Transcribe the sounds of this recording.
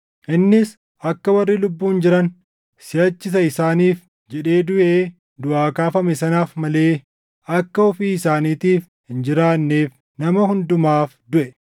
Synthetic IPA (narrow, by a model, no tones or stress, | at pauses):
ʔɪnːɪs | ʔɐkːɐwɐrːiːlʊbːuːnd͡ʒɪɾɐn | sɪjɐt͡ʃːɪs̬ɐɪsaːniːf | d͡ʒɛᶑe̞ːd̪ʊʔeː | d̪ʊʔaːkaːfɐmɛsɐnaːfmɐle̞ː | ʔɐkːɐɔfiːɪsaːniːt̪iːf | hɪnd͡ʒɪɾaːnːeːf | nɐmɐhʊnd̪ʊmaːfd̪ʊʔɛ